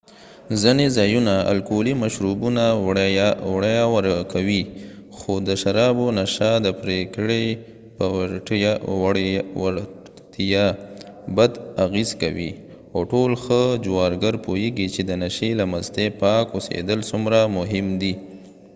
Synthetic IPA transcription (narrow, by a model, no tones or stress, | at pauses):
zinezɑjunaa̰lkolimaʃɾubunawɽwɽajawaɾkʰawixod̪əʃaɾɑbonaʃad̪əpɾekɽe | pəʈjwwaɾ | t̪ijabad̪aɣezka̰wḭ | oʈolxəd͡ʒwɑɾɡaɾpojeɡit͡ʃed̪ənaʃelaməzt̪epɑkosḛd̪əlsumɾamʊɦɪmd̪i